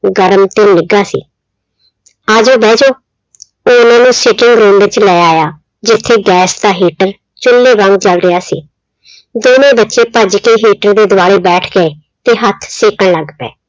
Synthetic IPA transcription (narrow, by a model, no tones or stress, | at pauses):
ɡəɾmt̪eːnɪɡaːsḭː | aːd͡ʒoːbɛːd͡ʒoː | oːʊnãːnũːsɪʈɪŋɡɾuːmʋɪt͡ʃlɛːaːjaː | d͡ʒɪt̪ʰːeːɡɛːsd̪aːɦiːʈəɾ | t͡ʃʊlːeːʋə̃ŋɡt͡ʃəlɾɪjaːsiː | d̪oːnẽːbətːʃeːpəd͡ʒkeːɦiːʈəɾd̪eːd̪ʊaːɽeːbɛːʈʰɡeeː | t̪eːɦət̪ʰsɪːkəɳləɡpɛ̰ː